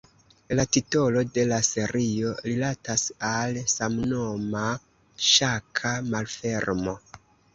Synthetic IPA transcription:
latito̞lo̞de̞lase̞ɾio̞ɾilatasalsamno̞ma | ʃakʰamalfe̞ɾmo̞

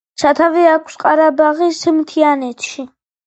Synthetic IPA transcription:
ʃʰat̪ʰavɛakʰsqʼaɾabaʁismt̪ʰianɛt̪ʰʃi

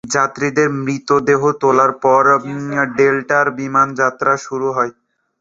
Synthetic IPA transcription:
d͡ʑat̪ːɾid̪eɾmɾit̪od̪eɦot̪olaɾpɔɾɖelʈaɾbimand͡ʑat̪ːɾaʃuɾuɦɔe

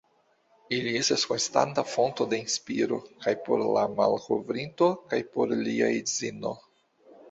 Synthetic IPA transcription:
ilie̞staskonst̪a̰ntafo̞nt̪od̪e̞inspiɾokajpo̰ɾlama̰lkovɾintokajpoɾliaezino̰

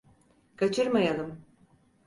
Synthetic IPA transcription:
kʰat͡ʃʰɯɾmajalˠɯm

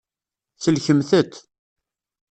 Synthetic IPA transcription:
θəlçəmθət̪

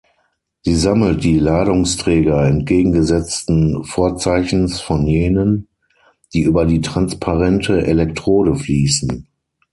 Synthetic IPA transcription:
z̥iːzaml̩t̚d̥iːlaːdʊŋstʁ̥ɛːɡɐɛnt̚ɡ̥eːɡŋ̩ɡəzɛt͡stn̩foːɐt͡saɪçn̩sfɔnjeːnən | d̥iːʔyːbɐdiːtʁ̥anspʰaʁɛntʰəʔelɛk̚tʁ̥oːɾəfliːsn̩

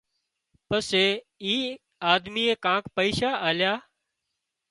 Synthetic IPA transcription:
pəseː | iː | aːd̪miːeːkãːkpəiːʃaːʔaːljaː

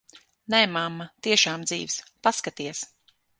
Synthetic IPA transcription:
nɛmamːat̪iɛʃaːmd̪ziːvspaskat̪iɛs

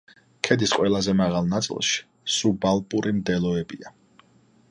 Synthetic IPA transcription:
kʰɛd̪isqʼwɛlˠazɛmaʁalˠnat̪sʼḭlˠʃi̥ | subalˠpʼuɾʔimd̪ɛlˠɔɛbia

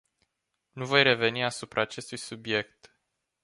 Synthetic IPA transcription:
nuvo̞jre̞ve̞niasupɾʔaːt͡ʃe̞st̪ujsubje̞kt̪

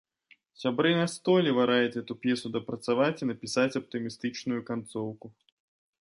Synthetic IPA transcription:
sʲabɾɨnast̪ɔlʲɛvaɾajɛt͡sʲɣɛt̪upʲjɛsud̪ɐpɾɐt̪savat͡sʲinɐpʲisat͡sʲɐp̚t̪ɨmʲist̪ɨt͡ʂnujukant̪sɔwku

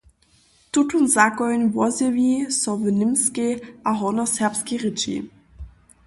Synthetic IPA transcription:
tʊtʰunzakɔʏnvɔzevisɔvenɪmskeʔaɦɔnɔsɛɐpskiʁɪt͡ʃḭ

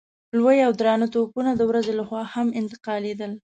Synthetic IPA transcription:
lwəjawd̪ɾɑnət̪opunad̪əwɾazelaxwɑhamɪnt̪ɪ̥qɑled̪əl

